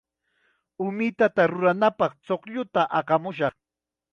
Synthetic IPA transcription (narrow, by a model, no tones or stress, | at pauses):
ʊmɪt̪at̪aɾʊɾanapɑχt͡soχʎʊt̪aʔɑqɑmʊʃ̬ɑχ